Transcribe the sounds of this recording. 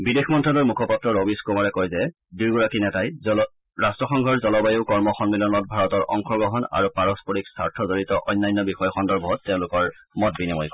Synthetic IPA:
bidexmɔntʰɹɔlɔɹmukʰɔpatɹɔɹobiskomaɹɛkɔjzɛ | duɹɡuɹakinɛtaj | ɹastɹɔxɔŋɡʱɔɹzɔlɔbajoʊkɔɹmɔxɔnmilɔnɔt̚bʱaɹɔtɔɹʔɔŋxʰɔɡɔɦɔna̰ɹupaɹɔspɔɹiksaɹtʰɔzoɹitɔʔɔjnːajnːɔbixɔjɔxɔndɔɹbʱɔɦɔtːeʊ̃lʊkɔɹ | mɔt̚binimɔjkɔ

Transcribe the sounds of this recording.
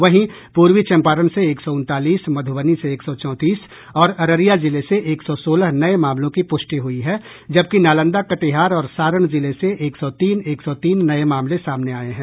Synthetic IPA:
ʋɐɦĩ | puːɾʋit͡ʃɛ̃mpaːɾənseeːksɔʊ̃nt̪aːliːsmɐd̪ʱʊʋəniseːksɔt͡ʃɔ̃ːt̪iːs | ɔːɾɐɾəɾijazɪleseʔeːksɔsoːləɦnɐemãːmlõkipʊsʈiɦʊiɦɛ | d͡ʒɐb̚kinaːlə̃nd̪akɐʈeɦaːɾɔːɾsaːɾəɳ̃zɪleseʔeːksɔt̪iːneːksɔt̪iːnːɐemaːmlesaːmneaːeɦɛ̃ː

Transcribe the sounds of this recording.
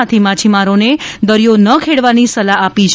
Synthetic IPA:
at̪ʰimat͡ʃʰimaɾoned̪əɾjonəkʰeɽʋanisəlaapit͡ʃʰ

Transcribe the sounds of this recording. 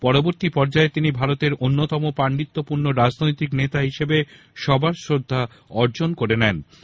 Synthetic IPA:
pɔɾoboɾt̪ipɔɾd͡ʑaet̪inibʱaɾot̪eɾʔonːot̪ɔmopɾaɳɖit̪ːopuɾnoɾad͡ʑnojt̪iknet̪aɦiʃebe | ʃɔbaɾsɾod̪ʱːa | ɔɾd͡ʑonkoɾenɛn

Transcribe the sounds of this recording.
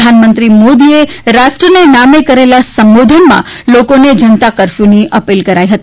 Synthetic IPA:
anmə̃nt̪ɾimod̪ieɾaʃʈɾənenamekəɾelasəmbod̪ʱənmã̰ | lokoned͡ʒənt̪akəɾfjuniʔəpilkəɾaiɦət̪i

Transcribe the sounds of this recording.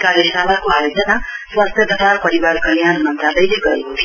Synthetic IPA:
kaɾesalakoɦajod͡zʌnaswast̪ʰjʌt̪ʌsʰapʌɾibarkʌljanmʌnt̪alʌjleɡʌɾeɦot̪ʰi

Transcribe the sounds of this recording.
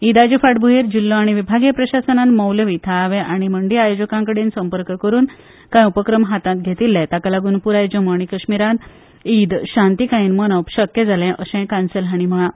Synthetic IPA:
id̪ad͡ʑufaʈbʱuɦeɾd͡ʑilːoaɽ̃iʋibʱaɡjepɾəɕasənãnməwləʋit̪ʰaʋẽʔaɽ̃iməɳɖiajod͡ʑəkãŋkəɽensəmpəɾkkəɾuːn | kãjupəkɾəmɦat̪ãt̪̚ɡʱet̪ilːɛ̃t̪akalaɡuːnpuɾajd͡ʑəməɳ̃ikəɕmiɾãn | id̪ɕãnt̪ikaĩːnmənəpɕəkjəd͡zʱalɛ̃ʔəɕɛ̃kansəlɦaɽ̃im̤əɭã

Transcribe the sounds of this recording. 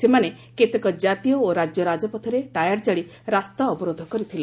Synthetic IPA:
semane | ket̪ɔkɔd͡ʒat̪ijɔoɾad͡ʒjɔɾad͡ʒɔpɔt̪ʰiɾeʈajaɽt͡ʃaɭi | ɾast̪aɔbɔɾod̪ʱɔkɔɾit̪ʰila

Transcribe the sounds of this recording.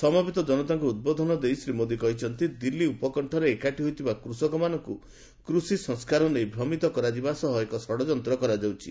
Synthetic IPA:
sɔmabit̪ɔd͡ʒɔnɔt̪aŋkuud̪̚bɔd̪ʱɔnɔd̪ejsɾimod̪ikɔɦit͡ʃʰɔnt̪id̪ilːiupɔkɔɳʈʰɔɾeːkaʈiɦojt̪ʰibakɾusɔkɔmanɔŋku | kɾusisɔ̃ŋskaɾɔnejbʱɾɔmit̪ɔkɔɾad͡ʒibasɔɦɔekɔsɔɽɔd͡ʒɔnt̪ɾɔkɔɾad͡ʒawt͡ʃʰi

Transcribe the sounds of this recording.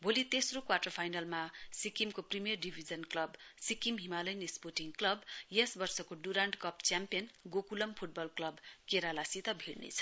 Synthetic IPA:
bolit̪esrokwaʈʌrpʰajnalmasikimkoprimijʌrɖibʱid͡zʌnklʌbsikimɦimalʌjnesporʈiŋɡklʌbjesbʌrsʌkoɖuɾaɳɖkʌpt͡sjampijʌnɡokulʌmpʰuʈ̚bʌlklʌbkeɾalasit̪ʌbʱiɽnḛt͡sʰʌ̥

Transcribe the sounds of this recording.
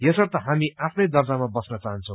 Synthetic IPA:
jʌsʌrt̪ʌɦamiapʰnʌjd̪ʌrd͡zamabʌsnʌt͡saɦʌnt͡sʰʌw̃

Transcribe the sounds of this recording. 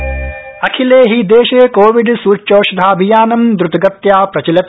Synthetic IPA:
ɐkʰileːɦid̪eːʃeːkoːʋiɖsuːt͡ʃoːʃɐd̪ʱaːɐbʱijaːnɐmd̪ɾut̪ɡɐt̪jaːpɾɐt͡ʃɐlɐt̪

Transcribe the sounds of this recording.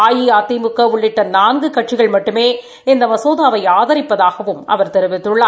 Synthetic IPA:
aːjiaːt̪ːimɯkːɐʊɭːɪʈːɐnaːŋɡɯkɐʈt͡ʃɪɣɐɭmɐʈːɯmeː | ɪnd̪ɐmɐsoːðaːʋɐɪaːðɐɾɪpːɐðaːɣɐʋɯmɐ̰ʋɐɾt̪ɛɾɯʋɪt̪ːɯɭːaː

